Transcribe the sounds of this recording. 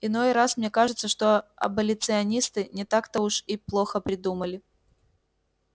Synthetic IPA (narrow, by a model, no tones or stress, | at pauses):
ɪno̞jɾasmnʲe̞kaʐɨt̪səʂt̪o̞ɐ̰bəlʲɪt̪sɨɐnʲist̪ɨnʲɪt̪akt̪əuʂiplˠo̞xəpɾʲɪd̪uməlʲɪ